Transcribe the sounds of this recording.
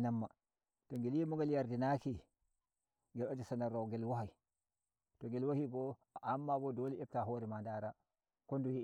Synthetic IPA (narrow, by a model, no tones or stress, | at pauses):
namːa | toŋɡeljimuŋɡeljaɾdinaki | ŋɡelad͡ʒisanaɾoŋɡelwahaj | toŋɡelwahiɡo | amːaɡodoliep̚taɦoɾimandaɾa | konduji